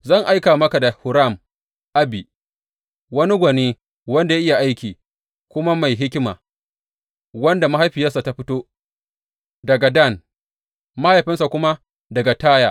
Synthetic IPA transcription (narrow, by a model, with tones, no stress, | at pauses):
zɐ˦˨ŋʔa˦jkaː˨mɐ˦ka˨da˨hʊ˨ɾa˦˨m | ʔa˦bi˨ | wɐ˦ni˦ɡʷɐ˨niː˦ | wɐ˦nda˨ja˦ɪ˦ja˨ʔa˦jkʲiː˨ | kʷʊ˦ma˦ma˨jɦɪ˦kʲɪ˦ma̰ː˨ | wɐ˦nda˨ma˦ɦa˦jɸɪ˨jɐ˦sa˨ta˦ɸɪ˦toː˦ | dɐ˨ɡa˨da˦˨n | ma˦ha˦jɸɪ˦nsa˨kʷʊ˦ma˦ | dɐ˨ɡa˨taː˦jaː˨